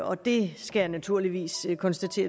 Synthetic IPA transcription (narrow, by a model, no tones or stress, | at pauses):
ɒ̽d̥e̝sɡ̥ænæt͡sʰuɐ̰liʋḭːskʰɒ̽nsd̥æt͡sʰe̝̰ːɐ